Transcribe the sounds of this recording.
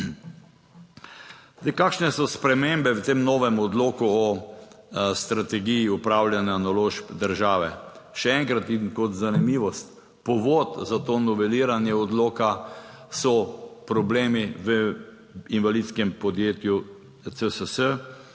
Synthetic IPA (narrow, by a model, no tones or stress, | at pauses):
d̪ɛkaːkʃnɛsɔspɾɛmembɛwt̪eːmnɔːʋɛmɔd̪loːkuɔ | st̪ɾat̪ɛɡijiupɾawljanjanaloːʃpd̪əɾʒaːʋɛʃɛɛŋkɾat̪inkɔt̪zanimiːʋɔst̪ | pɔʋot̪zat̪oːnɔʋɛliːɾanjɛɔd̪loːkasɔpɾɔbleːmiʋə | inʋalit̪skɛmpɔd̪jeːt̪ju | t͡s̪əsəsə